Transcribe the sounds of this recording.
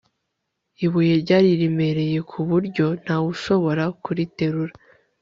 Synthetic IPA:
iβujeɾɟaːɾiɾime̞ɾe̞je̞kʰuβuɾɟo̞n̥haβuʃo̞βo̞ɾakuɾite̞ɾuɾa

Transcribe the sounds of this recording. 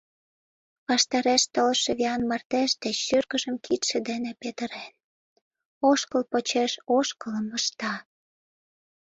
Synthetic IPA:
pɑʃt̪ɑɾeʃt̪olʃeβiɑnmɑrt̪eʃd̪eʃyrkəʒəmkʰit̪ʃĕd̪enepet̪ə̆ɾen | oʃkəlpot͡ɕeʃoʃkələməʃt̪ɑ

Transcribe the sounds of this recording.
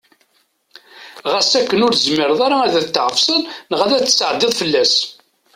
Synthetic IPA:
ʁæsækːənʊɾzmɪɾðˤaɾaæðæt̪ːʕəfsənnəʁæðæt͡sːsʕəd̪ɪðˤfəlːæs

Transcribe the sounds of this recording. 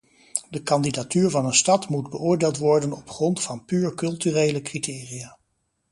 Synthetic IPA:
dəkɑndidatyːɹvɑnənstɑtmudbəʔʊːɹdeːlˠtʋɔɹdənɔpχrɔntfɑnpyːɹkɵlˠtyrejləkriteːriaː

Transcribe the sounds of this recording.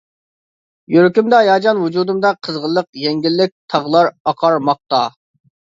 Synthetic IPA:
jøɾkʲymd̪ɑjɑːd͡ʒɑnwud͡ʒud̪ɨmd̪ɑqʰəzʁəlˠːəqjɛŋɡʲilːɪk̚ʲt̪ʰɑʁlˠɑɾɑqʰɑɾmɑq̚t̪ɑ

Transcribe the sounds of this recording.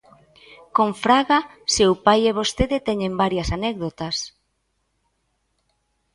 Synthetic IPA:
koɱfɾaɣasewpajeβost̪eðet̪ɛɲembaɾjɐsanɛkðot̪ɐs

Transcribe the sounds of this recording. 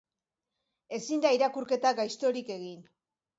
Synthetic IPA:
e̞sind̪aiɾakuɾke̞t̪aɡajst̪o̞ɾike̞ɣin

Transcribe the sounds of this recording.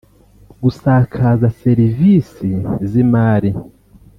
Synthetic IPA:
ɡusakʰazaseɾivisizimaːɾi

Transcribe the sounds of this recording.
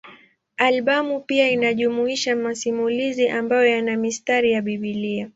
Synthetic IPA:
alɓamupiainaʄumuiʃamasimuliziʔambajɔjanamistaɾijaɓiɓilia

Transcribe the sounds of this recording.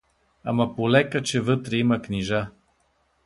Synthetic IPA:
a̰mɐpolɛkɐt͡ʃɛvət̪ɾɛimɐkniʒa

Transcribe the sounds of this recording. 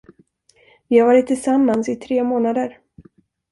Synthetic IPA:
vɪhavɑːɾɪt̪ʰːɪlsamːansɪt̪ʰɾeːmoːnad̪əɾ

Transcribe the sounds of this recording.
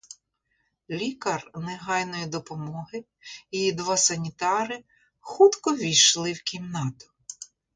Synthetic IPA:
lʲikɐrneɦɑjnɔjid̪ɔpɔmɔɦɪ | ijid̪ʋɑsɐnʲit̪ɑɾɪ | xut̪kɔʋʲijʃlˠɪwkʲimnɑt̪ʊ̥

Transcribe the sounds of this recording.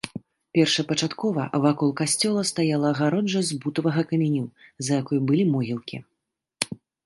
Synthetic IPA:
pʲɛrʂɐpɐt͡ʂat̪kɔvɐ̰vakɔlˠkasʲt͡sʲɔlˠɐst̪ajalˠɐɣaɾɔd͡ʐːɐzʲbut̪ɐvɐɣɐkɐmʲɛnʲuzɐjakɔjubɨlʲimɔɣʲilˠkʲḭ

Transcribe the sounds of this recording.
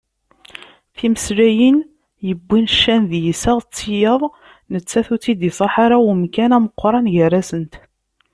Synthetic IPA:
θiməslæjən | jəbːinʃːænðjisəʁt͡sːijəðˤ | nət͡sːæθut͡sːid̪isˤɑħaɾawmkænæməqʷːɾˤɑnʝərːæsənt̪

